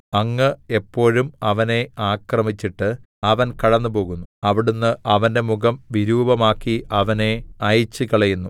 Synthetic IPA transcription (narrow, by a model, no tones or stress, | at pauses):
ɐŋːɨe̞pːo̞ːɻumɐʋɐne̞aːkrɐmit͡ɕːiʈːɨ | ɐʋɐnkɐɽɐnːɨpo̞ːɣunːuɐʋiɽunːɨʔɐʋɐnde̞muɣɐmʋiɾuːbɐmaːkːiɐʋɐne̞ɐjt͡ɕːɨkɐɭɐjunːu